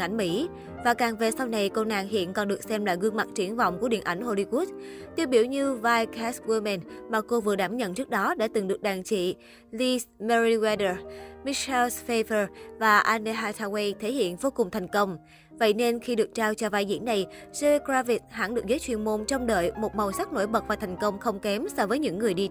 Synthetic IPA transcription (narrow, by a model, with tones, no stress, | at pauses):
ʔa˧˩jŋ̟mḭ˧˥ | vaː˨˩kaː˨˩ŋve˨˩sa˧wna˨˩jkə˧wna̰ː˧˨ŋɦḭ˧˨ənkɔ˨˩nɗɨ˨˩k̚sɛ˧mlaː˨˩ɣɨ˧əŋma̰˧˨t̚t͡ɕi˧˩˦ənvɔ̰˧˨wŋ͡mku˧˩əɗḭ˧˨ənʔa˧˩jŋ̟ho˧˩li˧ku˦˥t̚t̪i˧əwɓi˧˩əwɲɨ˧vaː˧jka˦˥swi˧mɛ˨˩nmaː˨˩ko˧vɨ˨˩əɗaː˧˩mɲə̰˧˨nt͡ɕɨ˦˥k̚ɗɔ˨˦ɗa̰ː˧˥t̪ɨ˨˩ŋɗɨ˨˩ək̚ɗaː˨˩ŋt͡ɕḭ˧˨ | li˧smɛ˧ɹi˧wɛ˧ɗə˧˩mi˨˦˥ʃɛ˧lsfe˧və˧˩vaː˨˩ʔaː˧ne˧ɦaː˧t̪ʰaː˧we˧jt̪ʰe˧˦hḭ˧˨ənvo˧kʊ˨˩ŋ͡mt̪ʰa˨˩jŋ̟kə˧wŋ͡m | və̰˧˨jne˧nxi˧ɗɨ˨˩ək̚t͡ɕaː˧wt͡ɕɔ˧vaː˧jzḭ˧˥ənna˨˩jze˧kɾaː˧fi˨˥t̚ha̰˧˥nɗɨ˨˩ək̚zəː˨˦jt͡ɕwḭ˧˨ənmo˧˩nt͡ɕɔ˧wŋ͡mɗə̰ː˧˨jmo˨˩t̚ma˨˩wsa˦˥k̚no̰˧˥jɓə˨˩t̚vaː˨˩t̪ʰa˨˩jŋ̟kə˧wŋ͡mxə˧wŋ͡mkɛ˨˦msɔ˧vəː˨˦jɲɨ̰˧˥ŋːɨ˨˩əjɗi˧